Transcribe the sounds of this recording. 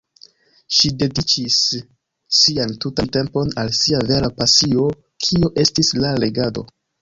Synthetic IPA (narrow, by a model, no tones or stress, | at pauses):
ʃide̞dit͡ʃisː | iantutante̞mpo̞nalsiave̞ɾapasio̞ | kʰioʔe̞stislale̞ɡado̞̰